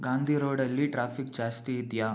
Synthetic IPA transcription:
ɡaːnd̪ʱiɾoːɽɐlːiʈɾaːpʰikd͡ʒaːst̪iːd̪ja

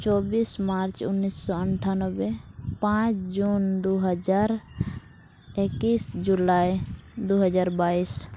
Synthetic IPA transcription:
t͡ʃɔːbismaɾt͡ʃʊnːisːɔəɳʈʰanɔbepãt͡ʃd͡ʒund̪uɦəd͡ʒaːɾ | ekisd͡ʒulaːjd̪uɦəd͡ʒaːɾbaːis

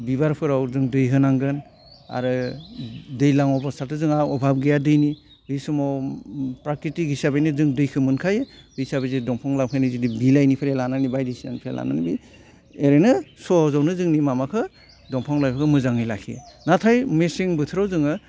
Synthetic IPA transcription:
biβaɾpʰɯɾawzɯŋdɯjɦɯnaŋɡɯn | a̰ɾɯ | dɯjlaŋɔbasaltʰɯzɯŋaɔbʱab̚ɡejadɯjni | bisɯmɔ | pɾakɾitiɡisabejnɯzɯŋdɯjkʰɯmɯnkʰajebisabezedɔŋpʰɔŋlap̚kʰɯjnɯzidibilajnipʰeɾelananibajdisina̰nipʰeḛlʔa̰na̰nibi | eɾenɯsɔhɔzawnɯzɯŋnimamakʰɯ | dɔŋpʰɔŋlajpʰakʰɯmɯzaŋɯjlakʰiḛnatʰajmesiŋbɯtʰɯɾawzɯŋɯ

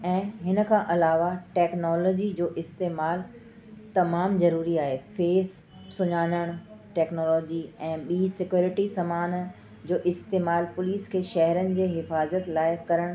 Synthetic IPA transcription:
ɛ̃ːɦɪnə̆kʰãːʔɐlaːʋaʈɛːknɔːlɔːd͡ʑid͡ʑoːʔɪst̪eːmaːl | t̪ɐmaːmzɐɾuːɾiaːɦefeːs | sʊɲaːnəɽ̃ʈɛːknoːlɔːd͡ʑiɛ̃ːɓiːsɪkjoːɾɪʈisɐmaːn | d͡ʑoːʔɪst̪eːmaːlpʊliːskʰeːʃɐɦəɾənɪ̆d͡ʑeːɦɪfaːzət̪laːɪkɐɾəɽ̃

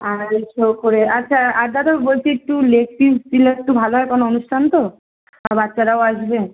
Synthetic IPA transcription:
aɾet͡ʃokoɾeatːɕʰaaɾd̪ʱat̪obolt͡ʃʰiek̚ʈːulekʈissileek̚ʈubʱaloɦɔjkonoonuʃʈʰant̪o | abatːʃaɾaoaʃbe

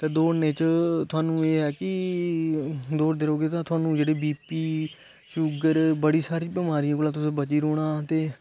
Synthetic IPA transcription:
t̪eːd̪oːneːt͡ʃt̪ʰʊaːnũːeːɦɛːkɪ | d̪oːɾd̪eɾoːɡeːt̪ãːt̪ʊaːnũːd͡ʒeːɽeːbiːpiː | ʃʊɡəɾbəɽiːsaːɾiːbɪmaːɾijãːkoːlãːt̪̬ʊsẽːbət͡ʃiːɾoːɽ̃ãːt̪eː

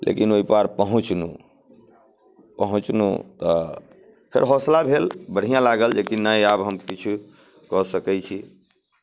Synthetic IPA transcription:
lʔḛkinoipaɾpəɦũt͡ʃnṵ | pəɦũt͡ʃnṵt̪ɔ | pʰḛɾɦoslabʱelbəɽ̤ijãlaɡəld͡ʒekinaiabɦəmkit͡ʃʰu | kɔsəkɛt͡ʃʰi

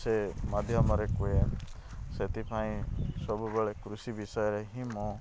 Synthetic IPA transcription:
semad̪ʱjɔmɔɾekue | set̪ipʰaĩsɔbubeɭekɾusibisɔjɔɾeɦĩmɔ̃

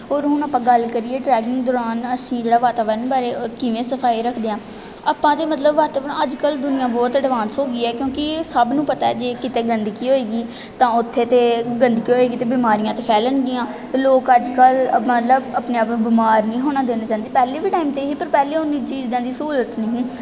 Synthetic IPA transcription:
ɦoːɾɦʊnaːpãːɡəlkəɾiːeːʈɾɛːɡɪŋɡd̪ɔːɾaːnəsĩːd͡ʒeːɽaːʋaːt̪aːʋəɾənbaːɾeːkɪʋẽːsəpʰaːiɾəkʰd̪eːãː | aːpãːt̪eːmət̪ləbʋaːt̪aːʋəɾəd͡ʒkəld̪ʊnɪjãːbɔːt̪əɖʋãːnsoːɡiːɛːkjõːkɪsəbnũːpət̪aːɛːd͡ʒeːkɪt̪eːɡənd̪kiːɦoːeːɡiː | t̪ãːʊt̪ʰːeːt̪eːɡənd̪kiːɦoeːɡiːt̪eːbɪmaːɾijãːt̪eːpʰɛːləɳɡ̪ɪjãː | t̪eːloːkəd͡ʒkəlmət̪ləbaːpneːaːpmẽːbɪmaːɾnĩːɦoːnaːd̪eːnaːt͡ʃãːnd̪iːpɛːleːbiːʈaːimt̪eːɦiːpəɾpɛːleːʊnːiːt͡ʃiːzãːd̪iːsuːɾət̪nĩɦĩː

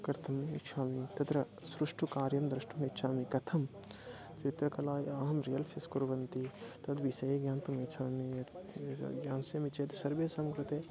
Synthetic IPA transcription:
kɐɾt̪ʰɐmit͡ʃʰaːmit̪ɐt̪ɾɐ | sɾuʂʈukaːɾjɐmd̪ɾɨʂʈumet̪ːʃʰaːmikɐt̪ʰɐm | t͡ʃit̪ɾɐkɐlaːjiɐɦɐmɾijɐlfʰiskuɾʋɐnt̪it̪ɐd̪ʋisɐjeɡjaːnt̪umeːt͡ʃʰaːmi | ɡjaːnsjɐmit͡ʃeːt̪ɐsɐɾʋeːsɐmkɾut̪eː

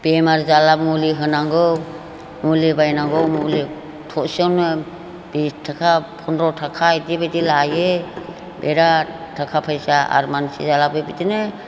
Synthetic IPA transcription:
pemaɾzalab̚muliɦɯnaŋɡɔw | mulibajnaŋɡɔwmuli | tʰɔʔsɔnɯ | b̥istʰːakʰapʰɔnɾɔtʰakʰajtibetilaje | beɾatʰakʰapʰajsaa̰ɾmansizalabɯjbitinɯ

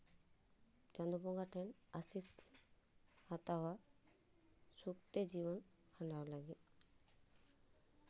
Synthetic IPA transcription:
d͡ʒand̪ɔbɔŋɡaʈʰɛnasiskʰin | at̪awa | sukt̪ed͡ʒibɔn | kʰanawlaɡi

